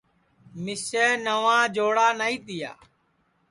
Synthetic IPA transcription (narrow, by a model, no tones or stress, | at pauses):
mɪsɛːnəʋãːd͡ʒoːɽaːnəːĩːt̪ɪja̰ː